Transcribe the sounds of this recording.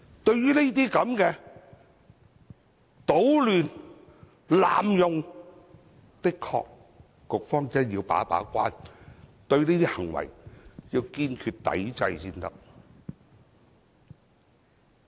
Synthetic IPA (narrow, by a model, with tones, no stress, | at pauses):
t̪ɵ˧ɥjyː˥ne˥t̪̬iː˥kɐ˨˥mkɛː˧ | t̪o˨˥wlyː˨˩n | la̰ː˨mjʊ˨ŋ | t̪ɪ˥kʰɔ̰ː˧k̚ː | ʊ˨k̚fɔː˥ŋt͡sɐ˥njiː˧wpa̰ː˨˥pa̰ː˨˥kʷaː˥nt̪ɵ˧ɥneː˥t̪iː˥hɐ˨˩ŋwɐ̰˨˩jjiː˧wkiː˧nkʰyː˧t̚t̪ɐ̰˨˥jt͡sɐ˧jsiː˧nt̪ɐ˥k̚